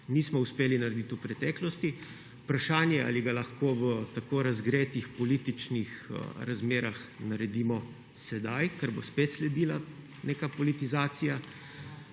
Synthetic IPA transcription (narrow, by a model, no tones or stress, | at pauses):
niːsmɔuspeːlinaɾɛd̪it̪upɾɛt̪ɛːklɔst̪i | upɾaʃaːnjɛa̰ːliɡalaxkoːʋət̪akoːɾazɡɾeːt̪ixpɔliːt̪it͡ʃnixɾazmeːɾaxnaɾɛd̪iːmɔ | sɛd̪ajkaɾbo̰speːt̪slɛd̪iːla | neːkapɔlit̪izaːt̪sija